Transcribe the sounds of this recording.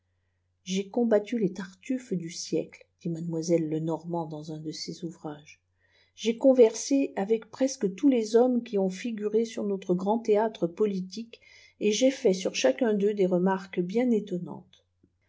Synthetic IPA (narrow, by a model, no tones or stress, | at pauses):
ʒekɔ̃bat̪ylet̪aʁt̪yfd̪ysjɛ̰kld̪̥imad̪mwazɛlːənɔʁmɑ̃d̪ɑ̃zɛ̃d̪əsezuvʁaʒ | ʒekɔ̃vɛʁseavɛkpχɛskət̪ulezɔmkʲiɔ̃fiɡʲyʁesyʁnot̪χəɡʁɑ̃t̪eat̪χəpɔlit̪ik | eʒefɛsyʁʃakɛ̃d̪ød̪eʁəmaʁkbjɛ̃net̪ɔnɑ̰̃t̪